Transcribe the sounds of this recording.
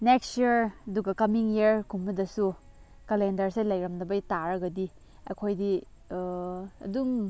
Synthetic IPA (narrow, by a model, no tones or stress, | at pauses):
nekstiɾɐduɡɐkɐmiŋjieɾkʰumɐdɐsu | kɐlendɐɾselɐjɾɐmnɐbɐjtaɾɐɡɐdi | ɐ̰kʰojdi | ɐ̰duŋ